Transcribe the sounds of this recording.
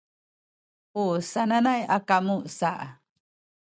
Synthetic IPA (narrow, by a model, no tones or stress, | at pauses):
usananajakamusaʔa